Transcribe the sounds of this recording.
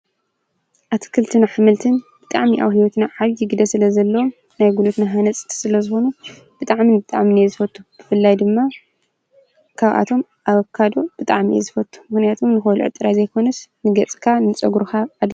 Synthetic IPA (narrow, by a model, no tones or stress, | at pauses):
ʔat̪ʰi̥kʰɨlt̪ʰɨnaħɨmɨlt̪ʰɨnbɨt̪ʼaʕmiʔa̰wɦiwot̪naʕaβjɪɡɨd̪ɐsɨlɐzɐlːɐwom | najɡulut̪naɦanɐt͡sʼɨ̥t̪ʰi̥sɨlɐzɨxo̞nu | b̥ɨt̪ʼaʕminbɨt̪ʼaʕminezɨfɐt̪ʰʼːub̥ɨfɨlːajd̪ɨmːa | kʰaβʔa̰t̪ʰo̞m | ʔaβɐkʰːad̪o̞b̥ɨt̪ʼaʕmiḛzɨfɐt̪ʼːu̥mɨxnijat̪ʰomnɨxlṵʕɨ̰t̪ʼɨɾazɐjkʰo̞nɐsnɨɡɐt͡sʼkʰanɨt͡sʼɐɡɾuxaʕad̪